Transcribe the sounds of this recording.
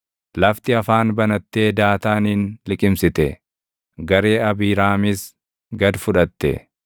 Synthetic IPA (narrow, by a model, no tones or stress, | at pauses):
lɐft̪ɪɐfaːnbɐnɐt̪ːe̞ːd̪aːt̪aːniːnlɪkʼɪmsɪt̪ɛ | ɡɐɾe̞ːɐbiːɾaːmɪs | ɡɐd̪fʊᶑɐt̪ːɛ̰